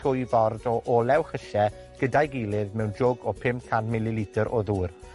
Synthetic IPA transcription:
ʊjvɔrdɔʔɔlɛwχəʃɛ | ɡ̥ədajɡiːlˠɪðmɛwnd͡ʒɔɡɔpʰɪmkʰanmɪlɪlitʰəɾʔɔðuːr

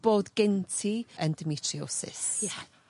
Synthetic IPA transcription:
b̥oːdɡɪntʰiəndəmitʰriosɪ̰sja

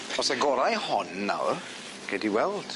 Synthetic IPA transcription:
ɔsɛɡɔɾajhɔnːa̰wr | ɡ̥ɛdiwɛlˠd̥

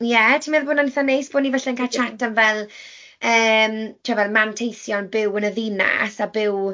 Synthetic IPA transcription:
jɛtʰimɛðbʊːnɔnɪθanːejsb̥oːnːivɛɬɛənkʰat͡ʃʰatʰanvɛlˠ | əːmtʰrɛvɛðmantʰejθjɔnbɪwənəðɪna̰sabɪw

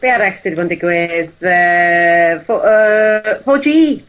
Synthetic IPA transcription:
b̥eaɾɛstɪɾvɔndɪɡwɪðə | foʔəfod͡ʒiː

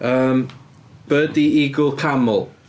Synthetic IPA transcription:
əːm | b̥ədiɪɡʊlˠkʰamʊlˠ

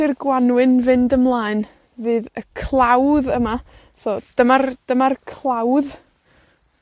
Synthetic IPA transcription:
ɪrɡwanwɨnvɨndəmlˠaːɨn | vɨːðəkʰlˠawðəma | sɔːd̥əmard̥əmarkʰlˠawð

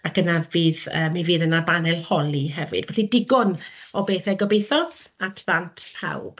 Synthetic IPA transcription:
akənaviːðəːmiviːðənabanɛlˠhɔlˠiɦɛvɨ̰d̥bɛɬidɪɡɔnɔbeːθɛɡɔbejθɔatʰðantʰpʰa̰wb̥

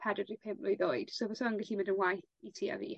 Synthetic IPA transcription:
pʰadədripʰeːmplʊjðoɨd̥sowvəsɔnɡɛɬimɪndənwaj | itʰia̰vḭː

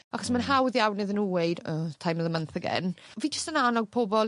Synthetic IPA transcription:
aχɔsmanɦawðjawnɪðənuwed̥əːtʰajmlˠəmənθəɡɛ̰nviːd͡ʒəstənanɔɡ̚pʰɔbɔlˠ

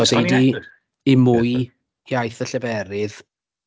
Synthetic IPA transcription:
ɔdejdi | imʊj | jajθəɬəbɛɾɪð

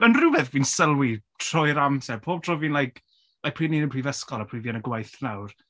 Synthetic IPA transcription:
ənrʊvɛðviːnsəlˠwitʰrɔjɾamsɛrpʰoːb̚tʰrɔviːnlajkʰ | lajk̚pʰriːniːnəpʰriːvəskɔlˠapʰriːviənəɡwajθnawr

